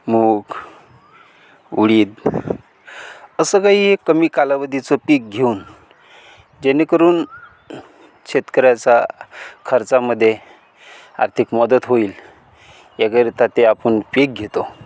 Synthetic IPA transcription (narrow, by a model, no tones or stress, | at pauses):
muk | uɽiːd̪ | əsəkaɦiekːəmiːkalaʋəd̪it͡sopik̚ɡʱeuːn | d͡ʑenːekəɾuːn | ɕet̪kəɾjat͡sakʰəɾt͡saməd̪ʱːje | a̰ɾt̪ʰikmɔd̪ət̪ɦoiːl | jakəɾit̪at̪eapənpik̚ɡʱet̪o